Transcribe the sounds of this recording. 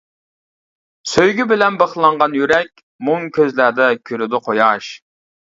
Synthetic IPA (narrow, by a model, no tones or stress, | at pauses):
søjɡʲybɪlɛnbəχlˠɑɴʁɑnjyɾɛk̚ʲ | muŋkʲʰøzlæd̪ɛkʲʰyɾyd̪ɪqʰojɑʃ